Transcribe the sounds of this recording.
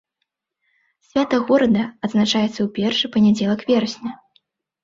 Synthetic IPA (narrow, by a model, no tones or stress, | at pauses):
sʲvʲat̪ɐɣɔɾɐd̪ɐɐd̪znat͡ʂajɛt̪sːɐwpʲɛrʂɨpɐnʲad͡zʲɛlˠɐkvʲɛrɐsʲnʲɐ